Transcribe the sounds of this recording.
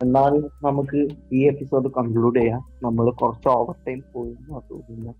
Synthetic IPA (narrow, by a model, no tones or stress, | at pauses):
e̞nːaːlnɐmukːɨiːepːiso̞ːɖɨkɐŋɡɭuːɖejaː | nɐmːɐɭkurɐt͡ɕːuoːʋɐrʈːɐjmpoːjunːuaːt̪ṵːɾiunːɐ